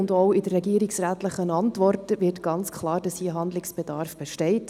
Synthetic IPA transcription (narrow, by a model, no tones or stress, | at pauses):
ʊndoʊɪdərɛɡiəɾɪksræːtləχənɑntʋɔrtəvɪrtɡ̥ɑnt͡skʰχlɑːɾd̥ɑshiɦɑndlɪksb̥ɛdɑɾfb̥ɛʃtɛɪt